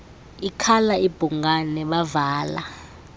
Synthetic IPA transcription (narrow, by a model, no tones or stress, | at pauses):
ikʰalaib̥ʱuŋanɛɓavaːla̰